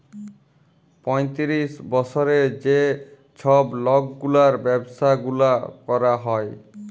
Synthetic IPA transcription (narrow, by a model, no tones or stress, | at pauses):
pɔjt̪iɾisbɔt͡ʃʰɔɾed͡ʒe | t͡ʃʰɔblɔɡɡulaɾbɛbsaɡulakɔɾaɦɔj